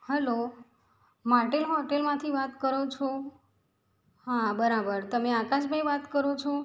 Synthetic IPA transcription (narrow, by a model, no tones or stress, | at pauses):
həlo | maʈelɦɔʈelmãt̪ʰiʋat̪kəɾot͡ʃʰo | ɦãbəɾabəɾt̪əmeakãʃbʱaiʋat̪kəɾot͡ʃʰo